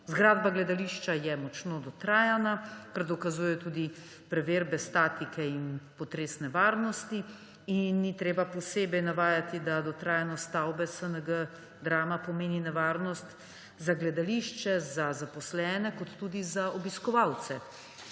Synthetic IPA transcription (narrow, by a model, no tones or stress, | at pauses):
zɡɾaːd̪baɡlɛd̪aliʃt͡ʃajɛmɔt͡ʃnod̪ɔt̪ɾaːjanakaɾd̪ɔkazujɛjɔt̪uːd̪i | pɾɛʋeːɾbɛst̪aːt̪ikɛinpɔt̪ɾeːsnɛʋaːɾnɔst̪i | inːit̪ɾeːbapɔseːbɛjnaʋaːjat̪id̪ad̪ɔt̪ɾaːjanɔst̪awbɛsənəɡə | d̪ɾaːmapɔmeːninɛʋaːɾnɔst̪ | zaɡlɛd̪aliʃt͡ʃɛzazapɔslɛːnɛkɔt̪ːuːd̪izaɔbiskɔʋawt̪sɛ